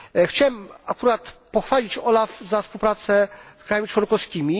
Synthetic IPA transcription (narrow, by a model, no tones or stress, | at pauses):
xt͡ɕawɛmakuɾat̪pɔxfaʎʲit͡ɕɔlafzafspuwpɾat̪sɛskɾajamʲit͡ʂwɔnkɔfskʲimʲi